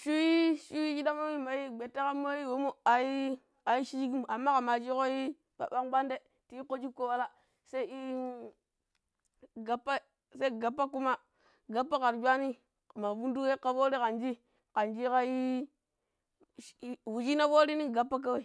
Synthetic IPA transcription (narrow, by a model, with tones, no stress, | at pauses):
ʃu˦wi˦ʃu˦wi˦d͡ʒi˦da˦mo˦wi˦ma˨ji˦ɡ͡be˨tːa˦ka˦mo˦ji˦wo˨mu˦a˨i˦ | a˨ji˦ʃi˦d͡ʒɡi˦m˨a˨mːa˦ka˨ma˨d͡ʒi˦ko˦ji˦ | pa̰˨ɓa˦ŋɡ͡ba˦nde˦ | ti˨˦i˦ko˦d͡ʒi˦kːo˦wa˦la˦ | sa˦i˦i˦ | ɡa˨pːa˦ | sa˦i˦ɡa˨pːa˦ku˦ma˦ | ɡa˦pːa˦ka˨ɾd͡ʒʷa˦ni˦˨ | ma˨vu˦ndu˦ke˦ka˨vo˦ɾi˦ka˨nd͡ʒi˦ | ka˨nd͡ʒi˦ka˦ji˦ | wu˨d͡ʒi˦na˦vo˦ɾi˦ni˦ɡa˨pːa˦k̬a˦we˦˨